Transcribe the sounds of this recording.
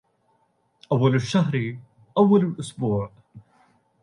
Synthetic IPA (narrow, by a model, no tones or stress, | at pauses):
ʔɐwːɐlɪʃːɐhɾi | ʔɐwːɐlɪlʔʊsbuːʕ